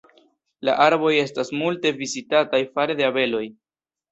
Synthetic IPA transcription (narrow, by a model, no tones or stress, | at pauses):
la̰ʔaɾbo̞je̞stasmulte̞vizitatajfaɾed̪e̞abe̞lo̞j